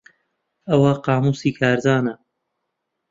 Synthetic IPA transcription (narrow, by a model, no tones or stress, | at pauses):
ɐwɐqɑːmuːsiːkʰaːɾd̪aːnɐ